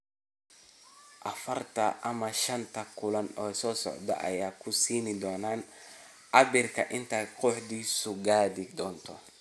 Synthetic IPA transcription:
ʔɐfɐrt̪ʰɐʔɐmɐʃɐnt̪ʰɐkʰʊlɐnɔːsɔːsɔ̰ʕd̪ɐ̰ʔɐ̰jaːkʰʊsiːnɪd̪ɔːnaːn | ʔɑbɪrkʰɐʔɪnt̪ʰaːd̪quːħd̪iːsʊɡaːðɪd̪ɔːnt̪ʰɔ

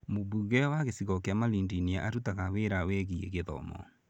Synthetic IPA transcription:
moβuɣɛwaɣesiɣɔkeamalindinia̰ʔaɾutaɣaweɾawɛɣiḛɣeðɔ̰mɔ̰

